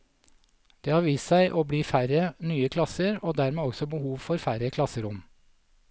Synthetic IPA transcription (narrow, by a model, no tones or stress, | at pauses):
d̪̥eːhɑːʋiːssæɪʔoːbliːfæɾənyːəkʰlɑsəɾoːd̪æɾmeːɔɡsɔbəhuːʋfɔɾfæɾəkʰlɑsəɾʊm